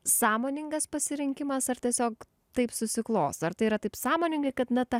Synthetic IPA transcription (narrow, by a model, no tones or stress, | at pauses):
sɑːmoːnʲɪŋɡɐspɐsʲɪɾʲɪŋʲkʲɪmɐsɐrt̪ʲiɛsʲoːk̚ | t̪ɐɪpsʊsʲɪklˠoːst̪ɐrt̪ɐɪiɾɐt̪ɐɪpsɑːmoːnʲɪŋɡɐɪkɐt̪nɐt̪ɐ